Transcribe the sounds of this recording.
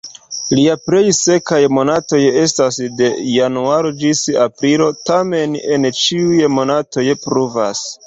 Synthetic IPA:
liapɾe̞jse̞kajmo̞nato̞je̞stasde̞januaɾo̞d͡ʒisapɾilo̞tame̞ne̞nt͡ʃiujmo̞nato̞jpɾuva̰s

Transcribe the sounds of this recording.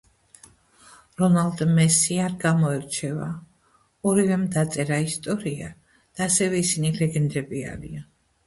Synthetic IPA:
ɾɔnald̪mɛsiaɾɡamɔɛɾt͡ʃʰɛva̰ | ɔɾivɛmd̪at̪sʼɛɾaist̪ʼɔɾia | d̪̥aːsɛvɛisinilɛɡɛnd̪ɾɛbia̰ɾḭa

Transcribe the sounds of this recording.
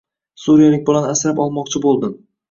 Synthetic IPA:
suɾijalɪk̚ʲbʊlanasɾapɒlˠmɒqt͡ʃʰɪbolˠd̪ɪm

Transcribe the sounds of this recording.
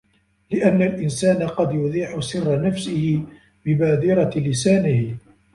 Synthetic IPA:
lɪʔanːalʔɪnsaːnaqɑd̪jʊd̪ˤiːʕʊsɪrˤːanafsɪhɪ | bɪbaːd̪ɪɾɑlɪsaːnɪh

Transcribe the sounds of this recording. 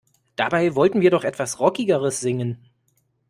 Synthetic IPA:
d̥abaɪvɔltn̩viːɐdɔχʔɛtv̥asʁɔkɪɡəʁəsz̥ɪŋən

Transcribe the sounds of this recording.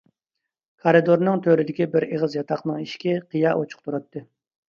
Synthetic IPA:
kʰɑɾɨd̪oɾnɨŋt̪ʰøɾɪd̪ɪkʲibɪɾeʁəzjɑt̪ʰɑqnɨŋiʃkʲɛqʰɨjɑʔot͡ʃʰʊ̥q̚t̪ʰuɾɑt̪ːɨ

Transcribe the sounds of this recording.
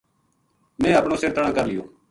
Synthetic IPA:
mɛ̃ːəpɳõːseːt̪əɽãːkəɾlɪjõː

